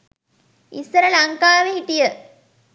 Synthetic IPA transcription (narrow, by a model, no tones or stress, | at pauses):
isːəɾəlɐŋkaːʋeɦiʈijə